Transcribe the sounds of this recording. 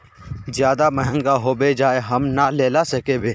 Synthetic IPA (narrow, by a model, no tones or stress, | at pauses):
zjaːd̪aməɦə̃ŋɡaɦobed͡ʒaːeɦɐmnaleːlasɐkebeː